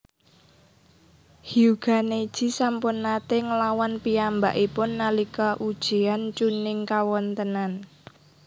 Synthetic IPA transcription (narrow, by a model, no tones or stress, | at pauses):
hiuɡ̥a̤neid̥ʒ̥i̤sampʊnːat̪eŋəlawanpiamba̰ʔipʊnːalikɔʔud̥ʒ̥i̤ant͡ʃunɪŋkawɔnt̪ənan